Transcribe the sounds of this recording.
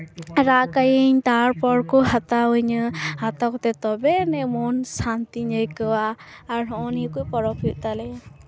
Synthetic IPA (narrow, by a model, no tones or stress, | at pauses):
ɾaʔkajəɲt̪aɾpɔɾkɔɦat̪awəɲɯhat̪akɔt̪ɛt̪ɔbɛnɛmɔnsant̪iɲəjkəwaː | ɾɦɔʔɔnikujpɔɾɔpʰit̪̚ˀt̪alɛ